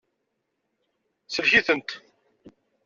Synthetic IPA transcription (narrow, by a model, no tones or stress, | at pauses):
səlçiθənt̪